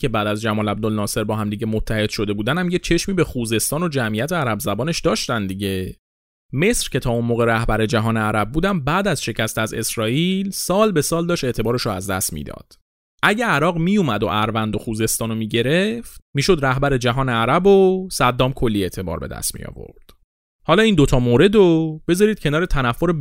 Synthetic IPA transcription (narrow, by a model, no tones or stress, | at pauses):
cʰe̞bæːd̪æzd͡ʒæmɒːlæb̚d̪olnɒːse̞ɾbɒːhæmd̪iɟe̞mot̪ʰːæhe̞d̪̥ʃo̞d̪e̞buːd̪ænhæmjet͡ʃʰe̞ʃmiːbexuːze̞st̪ɒːno̞d͡ʒæmʔijæt̪ʰeæɾæbzæbɒːne̞ʃd̪ɒːʃt̪ænd̪iɟe | me̞sɾce̞t̪ʰɒːunmoːɣe̞ɾæhbæɾe̞d͡ʒæɦɒːneæɾæb̚buːd̪æmbæːd̪æzʃe̞cʰæst̪æze̞̰sɾɒːilsɒːlbe̞sɒːld̪ɒːʃt̪e̞ʔt̪ʰe̞bɒːɾeʃoæ̰zd̪æ̰st̪mḭːd̪ɒ̰ːd̪̥ | ʔæɟæːɾɒːɣmijumæd̪o̰ʔæɾvænd̪o̞xuːze̞st̪ɒːnomiɟe̞ɾe̞ft̪miːʃo̞d̪ɾæhbæɾe̞d͡ʒæɦɒːneæɾæbosæd̪ːɒːmkʰo̞lːiːe̞ʔt̪ʰe̞bɒ̰ːɾbe̞̰d̪æ̰st̪mḭjɒ̰ːvo̞̰ɾd̪̥ | hɒːlɒːiːnd̪o̞t̪ʰɒːmoːɾe̞d̪ob̥e̞zɒɾiːd̪̥̚cʰe̞nɒːɾe̞t̪ʰænæfːoɾe